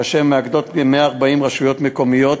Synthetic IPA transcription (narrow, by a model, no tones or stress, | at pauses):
aʃemeaɡd̪o̞t̪bemeaːʁbaimʁaʃujo̞t̪meko̞mijo̞t̪